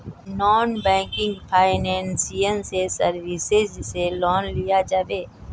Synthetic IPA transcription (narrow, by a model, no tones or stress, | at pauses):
nɔːnbɛ̃ːŋkɪ̃ŋɡpʰaːɪnɛ̃ːnsijənsesəɾʋɪsed͡ʒselɔːnlijad͡ʒaːʋeː